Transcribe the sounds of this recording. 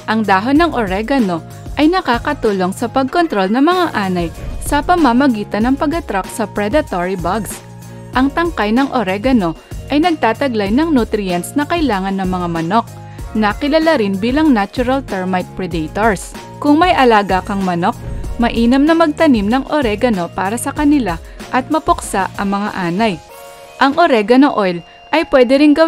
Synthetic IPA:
ʔɐŋd̪aːɦonɐŋʔoɾɛɡɐno̞ | ʔɐjnɐkaːkɐt̪uːlo̞ŋsɐpɐɡ̚kont̪ɾo̞lnɐŋmɐŋaʔaːnɐjsɐpɐmamɐɡiːt̪ɐnɐŋpɐɡɐt̪ɾak̚sɐpɾɛd̪ɐt̪oɹibɐɡs | ʔɐŋt̪ɐŋkajnɐŋʔoɾɛɡɐno̞ | ʔɐjnɐɡ̚t̪aːt̪ɐɡlajnɐŋnut̪ɾɪjɐnsnɐkɐɪlaːŋɐnːɐŋmɐŋamɐno̞k̚ | nɐkɪlɐlaɾɪnbiːlɐŋnat͡ʃʊɾɐlt̪ɛɹmajt̪̚pɹɛd̪ɛjt̪oɹs | kʊŋmɐjʔɐlaːɡakɐŋmɐno̞k̚mɐʔiːnɐmnɐmɐɡ̚t̪ɐnimnɐŋʔoɾɛɡɐno̞paːɾɐsɐkɐnɪla | ʔɐt̪̚mɐpʊksaʔɐŋmɐŋa̰ʔaːnɐj | ʔɐŋʔoɾɛɡɐnoʔojl | ʔɐjpwɛːd̪ɛɾɪŋɡɐ

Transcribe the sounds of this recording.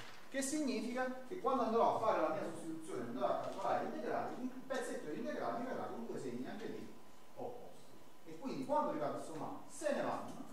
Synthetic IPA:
kesːiɲːiːfikakekːwand̪oand̪ɾɔafːaːɾelamiːasust̪it̪ut̪sːjoːneand̪ɾɔakːalkolaːɾeint̪eɡɾa̰ːɾeimpɛt̪sːet̪ːod̪int̪eɡɾaːlmiveɾːa̰t̪und̪uesemːiniaŋked̪i | opːɔ̰st̪i̥ | ekːwind̪ikwand̪oɾivaːt̪esoma̰l | seneva̰nːo̰

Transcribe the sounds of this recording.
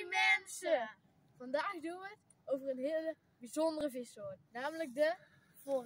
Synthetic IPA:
mɛnsə | fɑndaːxduət | owvərənɦɪələ | bizɔndərəvɪsoənːaːmlək̚də | for

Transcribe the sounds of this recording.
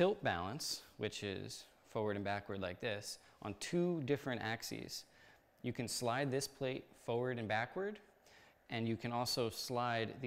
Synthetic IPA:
tɪlˠt̚b̥æ̰lˠə̃nswɨt͡ʃɪ̰z̥ | fɔɹwə˞ɾɨ̃nbækwə˞dˡlaɪk̚ðɪs | ʔn̩tʰʉdɪfɹɨ̃ñtæksḭz̥ | jɨkɨ̃nslaɪd̪̚ðɪspʰl̥eɪt̚fɔɹwə˞ɾɨ̃nbækwə˞d | ɨ̃njɨkʰɨ̃nɔlˠsoʊslaɪd̪̚ð

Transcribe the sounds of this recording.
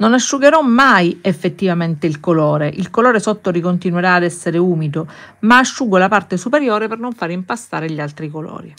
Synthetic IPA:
nonaʃːuɡeɾɔmːajefːet̪ːivament̪eilkolɔːɾeʔilkolɔːɾesɔt̪ːoɾikont̪inweɾaːd̪ɛsːeɾeuːmid̪omaːʃːuɡolapart̪esupeɾjɔːɾepernoɱfaːɾimpast̪aːɾeʎialt̪ɾikolɔ̰ːɾi

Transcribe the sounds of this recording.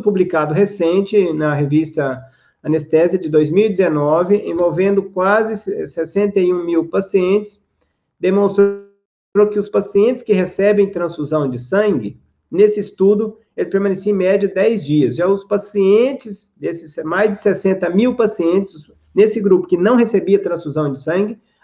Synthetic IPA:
publikad̪ʊɦesẽnt͡ʃɪnɐɦevist̪ɐ | ɐ̃nest̪ɛziɐd͡ʒɪd̪ojzmiwid͡ʒ̪ɪzenɔvɪʔḛ̃vowvẽnd̪ʊkwazɪsesẽnt̪ɐjũmiwpasiẽnt͡ʃɪ̥s | d̪emõst̪ɾ | ɾowkɪʊspasiẽnt͡ʃɪskɪɦesɛbẽj̃t̪ɾɐ̃sfuzɐ̃w̃d͡ʒɪsɐ̃ŋɡɪ | nesɪist̪ud̪ʊ | elɪpeɾmɐnesiẽmɛd͡ʒɐd̪ɛjzd͡ʒiɐsʒaʊspasiẽnt͡ʃɪz | d̪esɪsmajzd͡ʒɪsesẽnt̪ɐmiwpasiẽnt͡ʃɪ̥ss | nesɪɡɾupʊ̥kɪnɐ̃w̃ɦesebiɐt̪ɾɐ̃sfuzɐ̃w̃d͡ʒɪsɐ̃ŋɡɪ

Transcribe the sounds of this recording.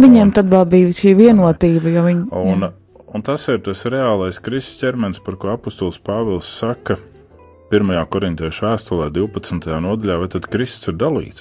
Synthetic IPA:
ʋiɲiːmt̪ad̪ʋɛlˠbiːʋʃiːʋʲiɛnuɔt̪iːbɐjaʋiɲunn | unt̪asiɾt̪asɾɛaːlˠajskɾist̪scʲɛɾmɛnspaɾkuɔapɔst̪ɔlˠspaːvɛlˠsːakɐ | piɾmajaːkɔɾint̪ʲɛːʃæːst̪ɔlˠɛːd̪iwpɐt̪snt̪ɐjaːnuɔd̪aʎʲaːvat̪ad̪kɾist̪siɾd̪alˠḭːt̪s

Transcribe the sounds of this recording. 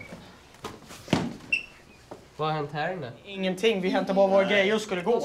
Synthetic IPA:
vaahɛnt̪hæːɾɛnd̪əɪŋːənt̪ʰɪŋːvɪɦɛnt̪aɾbɑːɾavoːɾaɡɾɛjːəskɵlːəɡoː

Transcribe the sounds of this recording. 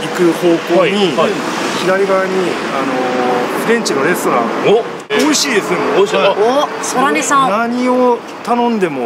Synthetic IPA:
ikɯ̟ho̞ːko̞ːɲ̟ia | çid̪aɾʲiɡaaɲ̟i | anofɯɡ̪ẽ̞ɲ̟t͡ɕino̞ɾe̞sɨ̥t̪o̞ɾã̰ŋo | oiɕiːd̪e̞sɨoosoɾaesãnaɲ̟io | t̪anõnd̪e̞mo

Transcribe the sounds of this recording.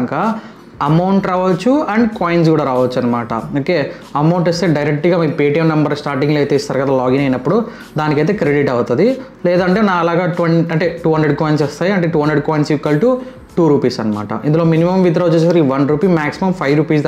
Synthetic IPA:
ŋka | ɐmɐwɳʈɾaːʋɐt͡ʃːuɐɳɖkaːjins̬ɡuːɽaːɾaːʋɐt͡ʃːuɐnːɐmaːʈɐ̰oːke̞ː | ɐmɐwɳʈist̪e̞ːɖɐjɾek̚ʈɡaːmiːpeːʈijɐmnɐmbɐɾsʈaːɾʈiŋɡloɐjt̪eːst̪aːɾɐkɐd̪aːlaːɡinɐjnɐpːuɽu | d̪aːnikɐjt̪e̞ːkɾeɽiʈɐwut̪ɐd̪ilɛːd̪ɐɳʈenaːɐlaːɡaːʈʋɐɳɐɳʈe̞ːʈuːɦɐndɾeɖ̚koːjinsɛst̪aːjiɐɳʈeːʈuːɦɐnd̪ɾeɖkoːjnsikːɐlʈu | ʈuːɾuːpiːsɐnːɐma̰ːʈɐ̰ʔind̪uloːminimɐmʋid̪̬ɾɐʋɐt͡ʃːesɐɾiːʋɐnɾuːpiːmaːksimɐmpʰɐjʋɾuːpiːs

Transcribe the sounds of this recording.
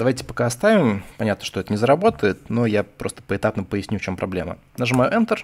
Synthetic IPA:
d̪ɐvajʲtʲɪ̥pɐkaɐst̪avʲɪmpɐnʲat̪nəʂt̪oɛt̪ənʲɪzəɾɐbo̞t̪əjɪt̪no̞japɾʔo̞st̪ə̥pəɪt̪apnəpəjɪsʲnʲuft͡ɕo̞mpɾɐ̰blʲe̞mə̰ | naʐɨmajʊʔɛnt̪ər

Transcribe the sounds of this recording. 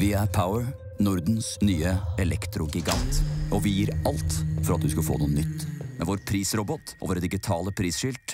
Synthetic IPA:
ʋɪæɾpʰaʊəɹ | nʊɾd̪n̩snyːəɛlɛkt̪ɾʊɡɪɡɑnt̪ʔɔʋɪjiːɾɑlt̪fɔɾɑt̪̚d̪ʉskɑfo̰ːnuːənʏt̪ːmɛʋoɾpʰɾiːsɾɔbɔt̪ʔo̰ːʋəɾd̪ɪɡɪt̪ʰɑːləpʰɾiːsʃʏlt̪

